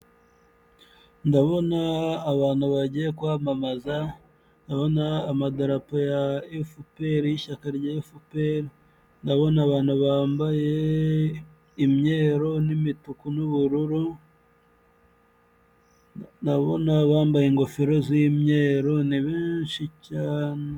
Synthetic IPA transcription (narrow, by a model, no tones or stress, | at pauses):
ndaβo̞naːβaːn̥huβaɟijekuβaːmamaza | ndaβo̞naːmadaɾapojaefupeɾiiʃakaɾɟaefupeɾi | ndaβo̞naːβaːn̥huβaːmbaje̞ | imɲeːɾo̞nimitukunuβuɾuɾu | ndaβo̞̰naβaːmbajeŋɡo̞feɾo̞zimɲe̞ːɾo̞niβiːnʃicaːne